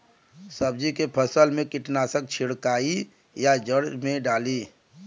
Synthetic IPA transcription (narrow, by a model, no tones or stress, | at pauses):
səbd͡ʒikepʰəsəlmẽkɪʈnaːsək̚t͡ʃʰɪɽkaːi | jad͡ʒəɽmẽɖaːliː